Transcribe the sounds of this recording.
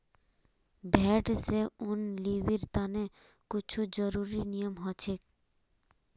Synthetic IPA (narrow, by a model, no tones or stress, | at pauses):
bʱɛʈseunlibiɾt̪ane | kut͡ʃʰud͡ʑɔɾuɾinijomɦɔt͡ʃʰek̚